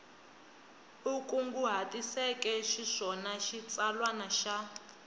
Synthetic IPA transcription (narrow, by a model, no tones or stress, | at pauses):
ukuŋɡuɦatʼisɛkʼɛʃiʂɔnaʃit͡sʼalwanaʃa